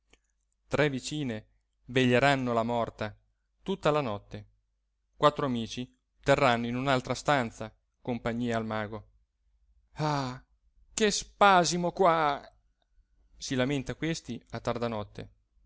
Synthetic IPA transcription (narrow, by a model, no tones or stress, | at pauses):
t̪ɾʔɛvit͡ʃiːne | veʎːeɾanːolamɔrt̪a | t̪ut̪ːalanɔt̪ːe | kwat̪ːɾoamiːt͡ʃi | t̪erːanːoinunalt̪ɾast̪ant̪sa | kompaɲːiːaːlmaːɡo | a | kespaːzimokwa | silament̪akwest̪iat̪ːard̪anɔt̪ːḛ